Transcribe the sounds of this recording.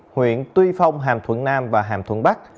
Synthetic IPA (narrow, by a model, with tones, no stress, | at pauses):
hwḭ˧˨ənt̪wi˧fa˧wŋ͡mɦaː˨˩mt̪ʰwə̰˧˥nnaː˧mvaː˨˩ɦaː˧˨˩mt̪ʰə̰˧˥˦nɓa˦˥k̚